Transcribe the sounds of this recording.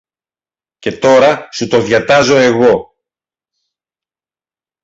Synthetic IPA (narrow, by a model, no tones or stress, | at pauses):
ce̞t̪o̞ɾɐsut̪o̞ðʝɐt̪ɐzo̞e̞ɣo̞